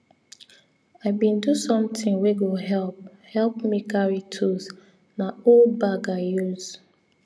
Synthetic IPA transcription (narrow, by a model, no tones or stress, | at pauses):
aɪbĩndusɔ̃mtĩŋweɡoɦɛlp̚ | hɛlpmikʰaɹitʰus | naolbaɡajuz